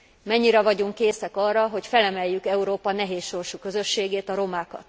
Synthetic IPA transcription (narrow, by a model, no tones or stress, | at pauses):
mɛɲːiɾɛvɒɟuŋkːeːsɛkɒrːɒɦo̞cfɛlɛmɛjːykɛuɾoːpɒnɛɦeːsʃo̞rʃukø̞zø̞ʃːeːɡeːt̪ɒɾo̞maːkɒ̰t̪